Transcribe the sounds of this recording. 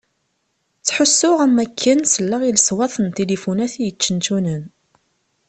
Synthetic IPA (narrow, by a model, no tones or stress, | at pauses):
t͡sːħʊsːʊʁæmːækʰːənsəlːaʁiləswɑθˤənt̪elifunæθijət͡ʃːənt̪unən